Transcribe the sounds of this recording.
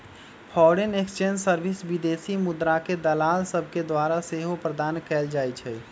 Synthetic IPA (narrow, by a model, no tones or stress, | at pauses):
pʰɔɾenekst͡ʃẽnd͡ʒsəɾbʱisbid̪esimʊd̪ɾaked̪əlaːlsəb̚ʱked̪waɾaseɦopɾəd̪aːnkɛld͡ʒaːjt͡ʃʰɛ